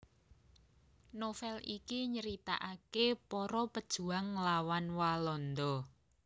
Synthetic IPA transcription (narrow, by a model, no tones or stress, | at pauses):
nofɛlikiɲəɾit̪a̰ʔakepɔɾɔpəd̥ʒ̥ṳaŋːlawanwalɔnd̪ɔ